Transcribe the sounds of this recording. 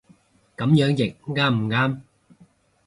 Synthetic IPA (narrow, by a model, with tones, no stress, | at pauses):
kɐ˨˥mjœː˨˥ŋjɪ˨˩k̚ŋaː˧˩m̩˨˩ŋaː˧m